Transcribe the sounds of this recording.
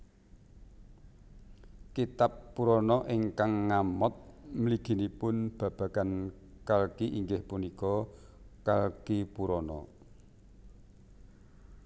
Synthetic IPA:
kit̪apːuɾɔnɔʔiŋkaŋːamɔt̪̚məliɡ̥i̤nipʊnb̥ä̤b̥ä̤kan | kalkiʔiŋɡɪhpunikɔkalkipuɾɔnɔ̰

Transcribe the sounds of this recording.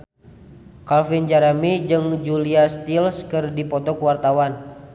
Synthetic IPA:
kalfind͡ʒaɾamid͡ʒɨŋd͡ʒuliast̪ilskɨrdipɔt̪ɔkuwart̪awan

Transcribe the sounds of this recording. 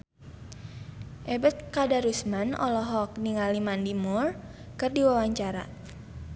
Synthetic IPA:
ʔɛbət̪̚kadaɾusmanɔ̰lɔɦɔk̚niŋalimandimur | kɨrdiwawaɲt͡ʃaɾa̰

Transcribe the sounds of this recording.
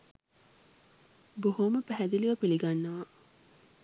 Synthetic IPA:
boɦoməpæɦæd̪iliʋɐpiliɡanːɐʋa

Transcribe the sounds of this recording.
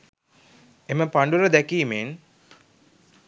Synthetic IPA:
eməpaɳɖuɾəd̪ækiːmen

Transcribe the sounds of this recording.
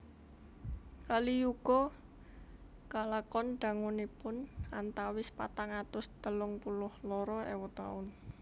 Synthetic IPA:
kalijuɡ̥ɔ | kalakɔnɖ̥a̤ŋunipʊnant̪awɪspa̰t̪aŋat̪ʊst̪əlʊŋpulʊhlɔɾɔɛ̰wɔt̪aʊn

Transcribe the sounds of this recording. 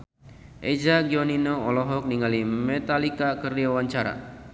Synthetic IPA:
ʔed͡ʒaɡiɔninoɔlɔɦɔk̚niŋalimɛt̪alikakərdiawaɲt͡ʃaɾa̰

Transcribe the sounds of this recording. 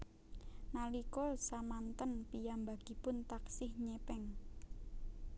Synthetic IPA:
nalikɔsamant̪ənpijambaɡ̥ipʊnt̪aksɪhɲɛpɛŋ

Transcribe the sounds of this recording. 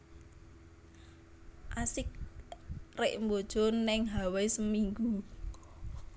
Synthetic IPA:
ʔasɪk̚ | reʔmbod̥ʒ̥ɔnːɪŋɦawesəmiŋɡu

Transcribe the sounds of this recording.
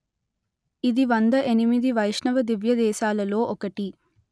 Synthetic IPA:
id̪iʋɐnd̪ɐʔenimid̪iʋɐjʂɳɐʋɐd̪iʋjɐd̪ɛːʃaːlɐlo̞ːʔɔkɐʈi

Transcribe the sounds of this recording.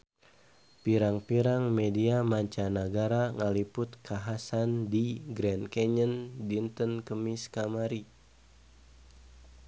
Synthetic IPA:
piɾaŋpiɾaŋmediamaɲt͡ʃanəɡaɾaŋalipʊt̪kʰaɦasandiɡɾɛnkɛɲəndint̪ənkəmiskamaɾi

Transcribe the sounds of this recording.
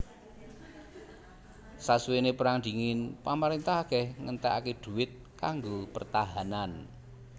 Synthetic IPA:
sasuwenepəɾaŋd̥̪i̤ŋɪnpamaɾent̪ahakɛhŋənt̪ɛa̰keɖ̪̥ṳɪt̪̚ | kaŋɡopərt̪aɦanan

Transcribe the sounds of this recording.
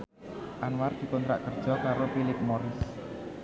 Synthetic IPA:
ʔanward̪̥i̤kɔnt̪ɾa̰ʔkərd̥ʒ̥ɔ̤kaɾofilɪp̚moɾɪs

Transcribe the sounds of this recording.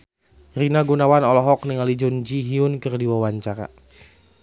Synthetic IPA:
rinaɡunawanɔlɔɦɔk̚niŋalid͡ʒund͡ʒiɦiʊnkɨrdiwawaɲt͡ʃaɾa̰

